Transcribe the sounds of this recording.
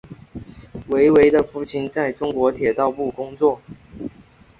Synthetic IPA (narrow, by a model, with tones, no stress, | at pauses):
we˧˥ɪwe˧˥ɪd̪ə˨fu˥˩t͡ɕʰi˧˥nt͡sa˥˩ɪʈ͡ʂʊ˥ŋkwɔ˧˥t̪ʰjɛ˨˩t̪ɑ˥˧ʊpu˥˩kʊ˥ŋt͡swɔ˥˩